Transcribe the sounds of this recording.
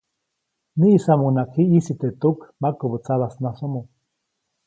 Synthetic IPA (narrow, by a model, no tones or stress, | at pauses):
niʔːsamunakhiʔisit̪et̪ukmakobut͡saβasnasomu